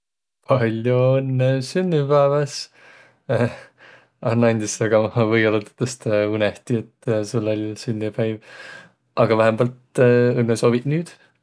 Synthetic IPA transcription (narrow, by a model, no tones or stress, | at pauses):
pʰɑlʲjoɯnːesynːipæevɑs | ɑnːɑjnʲd̪isɑɡ̥ɑvɤjolot̪e̥t̪ːɑst̪uneht̪iet̪ːsulːolʲsynːipæjv | ʔɑɡ̥ɑvæɦemb̥ɑlt̪ɯnːeso̞ːvid̪nyːd̪̥